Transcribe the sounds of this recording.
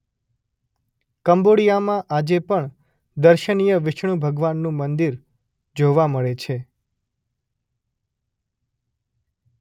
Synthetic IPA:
kəmboɽijamãʔad͡ʒepəɳ | d̪əɾʃənijəʋɪʃɳũbʱəɡʋanːũmənd̪iɾ | d͡ʒoʋaməɭet͡ʃʰe

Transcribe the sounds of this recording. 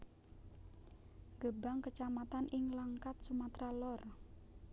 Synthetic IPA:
ɡəbaŋkət͡ʃamat̪anʔɪŋlaŋkat̪̚sumat̪ɾalɔr

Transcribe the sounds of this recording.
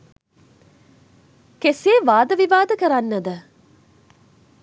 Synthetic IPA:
keseːʋaːd̪əʋiʋaːd̪əkɐɾanːəd̪ə

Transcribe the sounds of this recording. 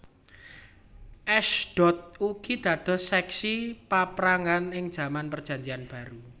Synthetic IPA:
ʔɛʃd̥ɔ̤t̪̚uɡ̥id̪̥ä̤d̪̥ɔ̤sɛksipapɾaŋanɪŋd̥ʒ̥a̤manpərd̥ʒ̥aɲd͡ʒianb̥a̤ɾu

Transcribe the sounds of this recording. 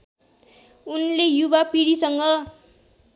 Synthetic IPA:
unlejubapiɽisʌŋɡʌ

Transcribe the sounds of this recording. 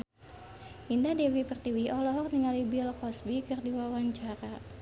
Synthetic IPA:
ʔindadɛwipərt̪iwiʔɔlɔɦɔrniŋalibilkɔsbikɨrdiwawaɲt͡ʃaɾa

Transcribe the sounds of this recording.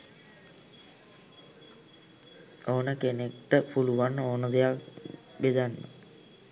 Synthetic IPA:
oːnəkenekʈəpuluʋanːoːnəd̪ejak | ʋed̪anːə̰

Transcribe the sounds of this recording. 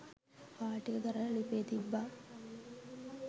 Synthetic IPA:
paːʈikəɡ̪ɐɾɐlipeːt̪ibːaː

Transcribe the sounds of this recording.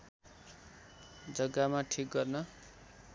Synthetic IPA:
d͡zʌɡːamaʈʰik̚ɡʌrnʌ

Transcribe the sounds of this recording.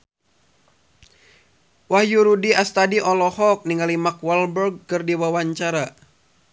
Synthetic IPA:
wahjuɾudiast̪adiʔɔlɔhɔk̚niŋalimakwalbərɡ̚kɨrdiwawaɲt͡ʃaɾa

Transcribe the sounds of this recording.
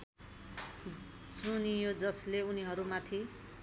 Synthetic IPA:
t͡sunijod͡zʌsleuniɦʌɾumat̪ʰi

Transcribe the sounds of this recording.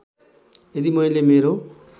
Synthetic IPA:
ed̪imʌj̃lemeɾo

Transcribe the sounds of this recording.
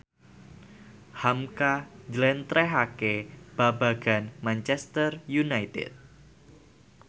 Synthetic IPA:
hamkad͡ʒlɛnt̪ɾʔɛɦakeb̥abaɡ̥a̤nmant͡ʃɛst̪ərjunajt̪ɪ̰t̪̚

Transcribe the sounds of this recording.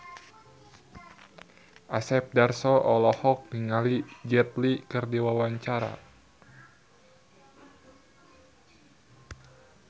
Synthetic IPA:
ʔasɛp̚darsɔʔɔlɔhɔk̚niŋalid͡ʒɛt̪̚likɨrdiwawaɲt͡ʃaɾa̰

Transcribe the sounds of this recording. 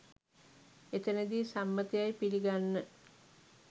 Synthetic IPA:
et̪ənəd̪iːsamːət̪ijajpiliɡanːə

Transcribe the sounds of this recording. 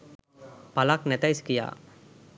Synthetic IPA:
palaknɛt̪ajskija̰

